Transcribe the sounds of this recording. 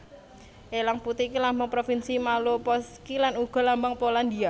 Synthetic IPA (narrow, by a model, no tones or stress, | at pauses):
ʔelaŋput̪ikilambaŋpɾofinsimalopɔskilanuɡ̥ɔ̤lambaŋpoland̪ia